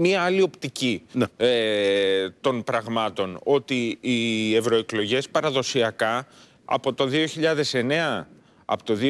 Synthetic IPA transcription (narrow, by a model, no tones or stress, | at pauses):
miɐɐlio̞pt̪icin | t̪o̞npɾɐɣmɐt̪o̞no̞t̪iː | e̞vɾo̞e̞klo̞ʝe̞spɐɾɐðo̞siɐkɐ | ɐ̰po̞t̪o̞ðio̞çiʎɐðe̞se̞ne̞ɐ | ɐ̰pot̪o̞ði